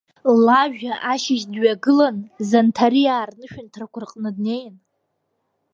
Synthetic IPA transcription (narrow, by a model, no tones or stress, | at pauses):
laʒᶣaʔaʃɪʒdɥaɡɨlanzantʰaɾiaːrnɨʃᶣʊntʰrakʷʰʊrqʼnɨdne̞jn